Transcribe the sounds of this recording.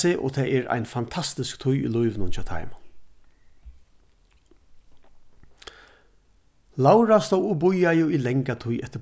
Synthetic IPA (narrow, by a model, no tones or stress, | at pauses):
ɪʔɔ̰t̪ʰɛːʔɛɹa̰jnfant̪ʰast̪ɪskt̪ʰʊjḭlʊjʋɪnʊnt͡ʃʰaːt̪ʰa̰jm | lawɾast̪owʊbʊjajʊilɛŋkat̪ʰʊjʔɛht̪ːəɾ